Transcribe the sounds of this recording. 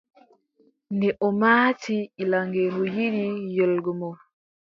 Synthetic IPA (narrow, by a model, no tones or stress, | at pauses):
ndɛʔɔmaːtʰiːlaŋɡenɔjiɾijɔlɡɔmɔw